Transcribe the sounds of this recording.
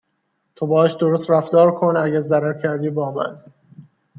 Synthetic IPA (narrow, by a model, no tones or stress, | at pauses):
t̪ʰobɒːæʃd̪oɾost̪ɾæfd̪ɒːɾkʰonæɟæɾzæɾæɾcʰæɾd̪iːbɒːmæ̰n